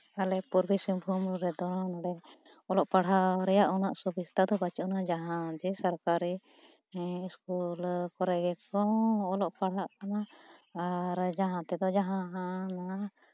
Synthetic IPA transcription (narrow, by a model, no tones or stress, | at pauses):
alɛpuɾbisimbʱumɾɛd̪ɔnaɽɛɔlɔʔpaɽ̤ɦaɾɛjaʔɔnaʔsubist̪ad̪ɔbat͡ʃɔnad͡ʒaɦãd͡ʒɛsaɾkaɾiː | skulkɔɾɛɡɛkɔːlɔʔpaɽ̤aʔkanaː | ɾd͡ʒaɦãt̪ɛd̪ɔd͡ʒaɦãɦãna